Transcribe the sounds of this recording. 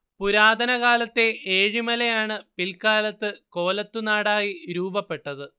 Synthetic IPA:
puɾaːd̪ʱɐnɐɣaːlɐt̪ːe̞ʔeːɻimɐlejaːɳɨpilkaːlɐt̪ːɨko̞ːlɐt̪ːunaːɽaːjiɾuːbɐpːe̞ʈːɐðɨ

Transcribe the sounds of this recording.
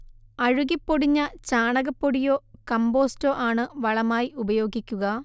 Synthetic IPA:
ɐɻuɣipːoɽiɲːɐt͡ɕaːɳɐɣɐpːoɽijo̞ːkɐmbo̞ːstoːʔaːɳɨʋɐɭɐmaːjiʔubɐjo̞ːɡikʲːuɣɐ

